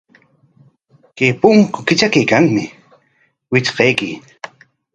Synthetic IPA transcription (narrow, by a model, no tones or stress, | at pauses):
kepʊŋkʊkɪt͡ʃakajkaŋmɪ | wɪt͡ʃqɑjkɪ